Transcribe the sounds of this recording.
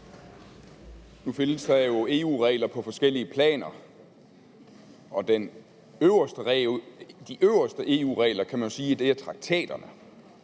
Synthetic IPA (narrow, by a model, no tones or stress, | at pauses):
nufenəsd̥ɑ̈jo̝e̝ːṵːʁɛ̰ːɪlɐpʰɒ̽fɒ̽sɡ̥el̰iəpʰlɛ̰ːnɐ | ɒ̽d̥en | øʊɐsd̥ə | d̥iʔøʊɐsd̥əʔe̝ːṵːʁɛːlɐkʰæmænjo̝siːd̥e̝æɐt͡sʰʁɑ̈ɡ̥̚t͡sʰɛ̰ːd̥ɐnə